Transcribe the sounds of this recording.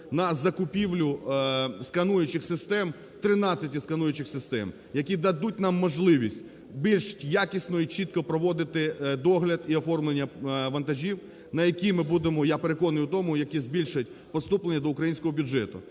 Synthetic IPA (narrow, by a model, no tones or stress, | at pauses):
nɐzɐkʊpʲiwlʲʊ | skɐnujʊt͡ʃɪxsɪst̪ɛm | t̪ɾɪnɑt͡sʲɐtʲiskɐnujʊt͡ʃɪxsɪst̪ɛ̰m | jɐkʲid̪ɐd̪ut̚ʲnɑmːɔʒlˠɪʋʲisʲtʲ | bʲilʲʃɪ̥tʲjakʲisʲnɔit͡ʃit̪̚kɔpɾɔʋɔd̪ɪt̪ɪd̪ɔɦlʲɐd̪iɔfɔrmlˠenʲːɐʋɐnt̪ɐʒʲiw | nɐjɐkʲimɪbud̪emɔjapeɾekɔnɪjʊt̪ɔmʊjɐkʲizbʲilʲʃʊjɐtʲ | pɔst̪uplenʲːɐd̪ɔʊkɾɐjinʲsʲkɔɦɔbʲʊd͡ʒɛt̪ʊ̰